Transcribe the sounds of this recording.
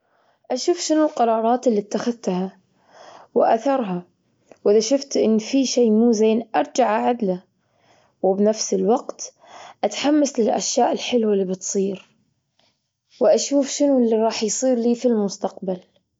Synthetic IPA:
ʔaʃuːfʃɪnʊlqɑɾˤɑːɾˤɑːt̪ɪlːit̪ːaxaðt̪ha | wɪʔa̰θɑɾˤɦa | wʔɪðaʃʊft̪ʔɪnːfiʃeːmuːzeːnʔɑɾˤd͡ʒaʕaʕad̪la | wɪbnafsɪlwɑqt̪ | ʔat̪ħamːaslɪlʔa̰ʃjaːʔɪlħɪlwalːiːbɨt̪sˤiːɾ | wɪʔaʃuːfʃɪnulːiɾˤɑːħjsˤiːɾliːfilmʊst̪aqbal

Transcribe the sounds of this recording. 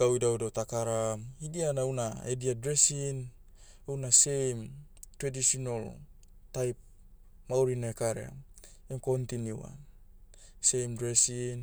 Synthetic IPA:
ɡ̥awjdawdawt̪akaɾaidianawnaediadɾesin | awnase̞jmtɾadisionol | tajp̚ | mawɾinaekaɾḛa̰emko̞nt̪injua̰n | se̞jmdɾesin

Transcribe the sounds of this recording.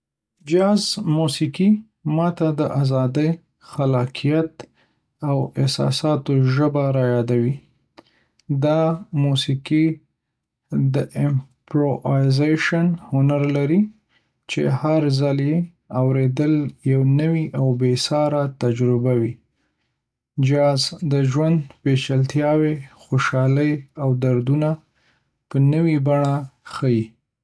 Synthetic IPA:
d͡ʒɑzmusiki | mɑt̪ad̪əʔazɑd̪əj | xalɑkʰijat̪ | awɪhsɑ̰sɑt̪oʒəbaɾɑjɑd̪awi | d̪ɑmusiki | d̪əʔɪmpɾojzeʃanhʊnaɾlaɾi | t͡ʃḛhaɾzəlje | awɾed̪əljawnəwiʔawbesɑɾat̪ad͡ʒɾɪbawi | d͡ʒɑzd̪əʒwand̪pet͡ʃalt̪jɑwexoʃɑləjawd̪aɾd̪una | pənəwibaɳaxəji

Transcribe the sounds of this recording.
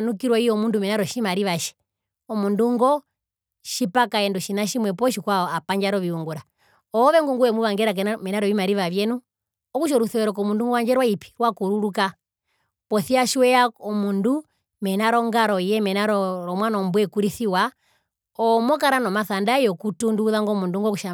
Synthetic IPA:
nukiɾwaijɔmundumɛnaɾɔʃimaɾiʋaʃi̥ | ɔmunduŋɡɔ | ʃipakaɛnduʃinaʃimwɛpɔʃikwaapaɲd͡ʒaɾɔʋiuŋɡuɾa | ɔːʋɛŋɡuŋɡuwɛmuʋaŋɡɛɾak̬ɛmɛnaɾɔʋimaɾiʋaʋjɛnu | ɔkuʃ̬ɔɾuθɛɛɾɔk̬ɔmunduŋɡɔaɲd͡ʒɛɾwaipi̥ɾwakuɾuɾuka | pɔθiaʃwɛaɔmundu | mɛnaɾɔŋɡaɾɔijɛmɛnaɾɔɾɔmwanɔmbuɛkuɾiθiwa | ɔmɔkaɾanɔmaθandajɔkutunduuðaŋɡɔmunduŋɡɔkuʃa

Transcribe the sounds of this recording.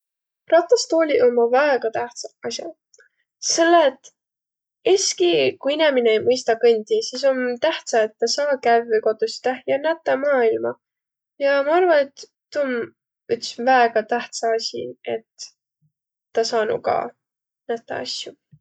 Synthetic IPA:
rɑt̪ːˑɑst̪oːlʲiʔolmːɑvæeɡ̥ɑt̪æht̪sɑɑsʲjɑ̰ | se̞lːeet̪ːˑ | eskikuinemineejmɤjst̪ɑkɤnʲd̪̥isis̬o̞nt̪æht̪sɑet̪ːɑsɑːkævːəjko̞t̪usi̥t̪æhjɑnæt̪ˑːɑmɑːilmɑ | jɑmɑɑrvɑne̞t̪ː | un | yt̪ːsvæeɡ̥ɑt̪æht̪sɑɑsʲḭe̞t̪ | ɑsɑːnṵkɑ̰ | næt̪ːˑɑ̰ɑ̰sʲju

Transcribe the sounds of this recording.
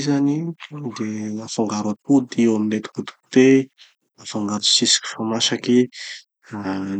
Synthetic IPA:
zanid̪elafaŋɡaɾwat̪ud̪ewamilet̪u̥kut̪u̥ku̥t̪e | lafaŋɡaɾt̪u̥sisi̥kʲi̥famaʃaki

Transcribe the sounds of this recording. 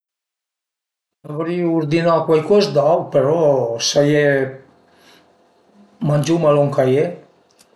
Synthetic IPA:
navɾiuɾd̪inakwajkɔzd̪awpeɾɔsaje | manʲd͡ʒumaloŋkaje

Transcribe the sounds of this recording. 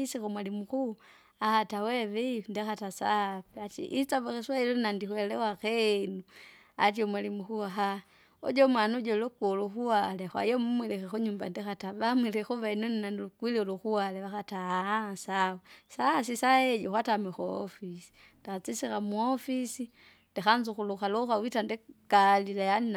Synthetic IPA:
isikumwalimuku | ahatawɛʋɛndɛxatasa̰piat͡ʃḭʔit͡saβaxiswailɔnnandixwɛlɛwaxɛnu | a̰t͡ʃiɔmwalimuxuaɦa | ɔ̰ɟɔmwanud͡ʒɔlukɔluxuwalexwa̰jɔmumwilɛxɛxuɲumba̰ndixataβamwilɛxuβainuninanlukwilioluxuwaleβaxatasawusas̬isaɛd͡ʒɔxwatamwixaɔ̰fisi̥ | ndixat͡sisixamuɔfisi | ndixanzuxuluxaloxawitandɛɡ̥alilajana

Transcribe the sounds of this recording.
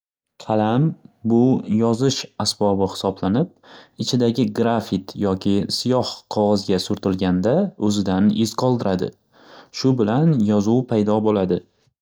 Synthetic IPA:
kʲʰalambʊjɒzɪʃasbɒbɪhɪ̥sɒblanɪp̚ɪt͡ʃʰɪd̪aɡʲɪɡɾafit̪jɒkʲʰɪsijɒhqʰɒʁɒzɡʲasʊɾt̪ʰɪlɡʲand̪aɵzɪd̪anɪz̥qʰɒlˠd̪ɪɾʔad̪ɪ̰ | ʃʊbɪlanjɒzuwpʰajd̪ɒbolad̪ɪ

